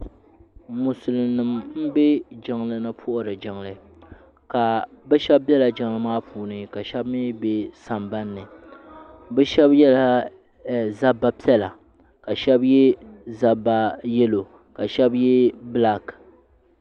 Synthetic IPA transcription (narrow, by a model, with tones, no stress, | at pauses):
mu˨sɨ˨lɨ˨nɨ˨mm̩˦be˦d͡ʒɪ˨ŋlɨ˦nɨ˦pʰʊ˦ʔʊ˦ɾɨ˨d͡ʒɪ˨ŋlɨ˦˨˦ | ka˨bɛ˦ʃɛ˦b̚bɛ˦la˨d͡ʒɪ˨ŋlɨ˦maː˦pʰuː˨nɨ˨ka˨ʃɛ˦bmi˦be˦sa˨mba˦nːɨ˨ | bɛ˦ʃɛ˦bjɛ˦la˦˨ | za˦bːa˦pi˦ɛ˦la˨ | ka˨ʃɛ˦bjɛ˦za˦ba˦jɛ˦lo˨ | ka˨ʃɛ˦bjɛ˦bla˦k